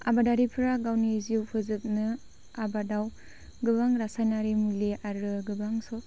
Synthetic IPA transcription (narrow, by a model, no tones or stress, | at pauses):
a̰badaɾipʰɾaɡawniziwpʰɯzɯp̚nɯ | abadaw | ɡɯbaŋɾasajnaɾimuliʔaɾɯɡɯbaŋsɔ